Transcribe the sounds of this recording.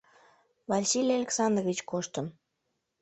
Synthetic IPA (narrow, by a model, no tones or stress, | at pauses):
vɑlʲsilʲialʲeksɑnd̪rvʲit͡ɕkoʃt̪əm